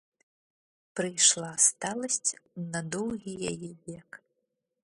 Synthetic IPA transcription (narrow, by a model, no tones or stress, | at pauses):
pɾɨjʂlˠast̪alˠɐsʲt͡sʲnɐd̪ɔwɣʲijajɛvʲɛk